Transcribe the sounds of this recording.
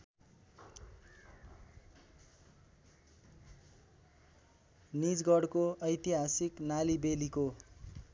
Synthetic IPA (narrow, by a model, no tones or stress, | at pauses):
nid͡zɡʌɽkoʌjt̪iɦasiknalibeliko